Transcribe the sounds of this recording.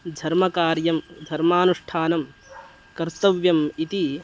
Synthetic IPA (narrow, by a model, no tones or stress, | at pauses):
d̪ʱɐɾmɐkaːɾjɐmd̪ʱɐɾmaːnuʂʈʰaːnɐm | kɐɾt̪ɐʋjɐmit̪i